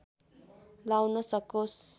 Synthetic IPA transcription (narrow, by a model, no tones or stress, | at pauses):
lawnʌsʌkos